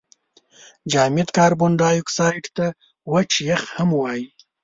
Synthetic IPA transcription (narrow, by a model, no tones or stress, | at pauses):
d͡ʒɑːmɪt̪kɑːɾbʊɳɖɑːjuksɑjʈt̪a | wat͡ʃjaxhamwɑji